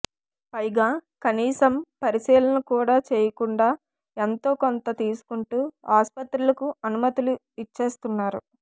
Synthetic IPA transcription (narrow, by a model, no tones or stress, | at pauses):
pɐjɡaːkɐniːsɐmpɐɾisiːlɐnɐkuːɽaːt͡ʃeːjɐkuɳɖaː | ent̪o̞ːko̞nt̪ɐt̪iːsu̥kuɳʈuːaːspɐt̪ɾulɐkuɐnumɐt̪ilu | it͡ʃːe̞ːst̪unːaːɾṵ